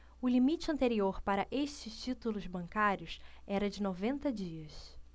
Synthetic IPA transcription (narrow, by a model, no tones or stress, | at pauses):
ʊlimit͡ʃɪɐ̃nt̪eɾioɾpaɾɐʔeʃt͡ʃɪst͡ʃit̪ulʊzbɐ̃ŋkaɾjʊsɛɾɐd͡ʒɪnovẽnt̪ɐd͡ʒiɐs